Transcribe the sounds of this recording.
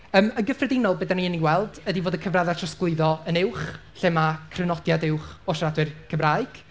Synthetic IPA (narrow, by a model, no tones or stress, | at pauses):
əːmənɡəfrɛdɪnɔlˠbedaniəniwɛlˠd̥ədivoːdəkʰəvraðatʰrəsklˠɪɨðɔənɪwχ | ɬɛmakʰrənɔdjadɪwχɔʃadwɨrkʰəvraɨɡ̥